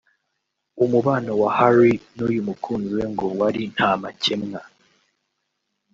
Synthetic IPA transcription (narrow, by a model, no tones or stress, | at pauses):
umuβaːnowahaɾinujumukʰuːnziwe̞ŋɡowaɾin̥haːmace̞mŋa